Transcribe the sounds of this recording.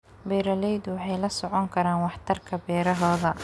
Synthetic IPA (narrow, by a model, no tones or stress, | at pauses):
bɛːɾɐlɛjd̪ʊwɑħɑjlɐsɔʕɔŋkʰɐɾaːnwɑħt̪ʰɐrkʰɐbɛːɾɐɦɔːðɐ